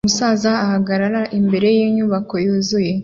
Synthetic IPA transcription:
musaːzaːhaɡaɾaɾaʔimbe̞ɾe̞jiːɲuβako̞juːzuje̞

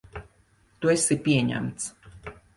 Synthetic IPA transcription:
t̪uesipʲiɛɲæ̰mt̪s

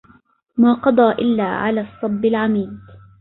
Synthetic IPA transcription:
maːqɑd̪ˤɑːʔɪlːa̰ːʕa̰laːsˤːɑbːɪlʕamiːd̪

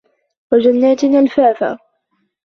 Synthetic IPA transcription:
wad͡ʒanːaːt̪ɪnaːlfaːfa̰ː

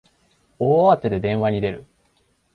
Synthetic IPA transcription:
oaβat̪ːed̪e̞d̪ẽ̞ɰ̃βaɲ̟id̪e̞ɾɯ̟̰

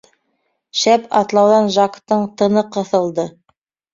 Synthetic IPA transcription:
ʃæpɑt̪lˠɑwðɑnʒɑkt̪ɤɴt̪ɤ̆nɤqɤ̆θɤ̆lˠd̪ɤ

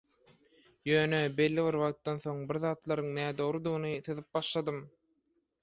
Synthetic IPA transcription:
jøːnebe̞lːiβiɾβɑʁt̪ːɑnθo̞ŋbiɾðɑːt̪lˠɑɾɯŋnæːd̪o̞ɾud̪ɯɣɯnɯθɯðɯp̚bɑʃlˠɑd̪ɯm

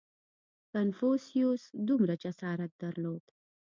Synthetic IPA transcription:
kanfosijosd̪umɾad͡ʒasɑːɾat̪̚d̪aɾlod̪̥

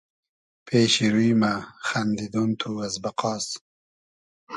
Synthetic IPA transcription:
pʰeːɕiɾujmaxɐnd̪id̪unt̪ʰuɐzbɐqɑːs

